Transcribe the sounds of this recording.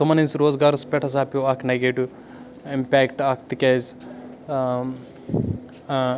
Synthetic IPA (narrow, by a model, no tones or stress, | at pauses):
t̪omɐninsɾoːzɡaːɾɐspʲeʈʰɐs̬aːpʲuaːkʰnɐɡeːʈu | impʲæːkʈaːk̚ʰt̪ikʲez